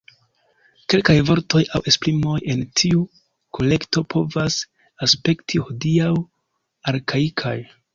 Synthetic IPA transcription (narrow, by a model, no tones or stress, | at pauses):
ke̞lkajvo̞ɾto̞jawʔe̞spɾimo̞je̞ntʰiu | ko̞le̞kto̞pʰo̞vas | aspe̞ktʰihodiaw | aɾkaikʰa̰j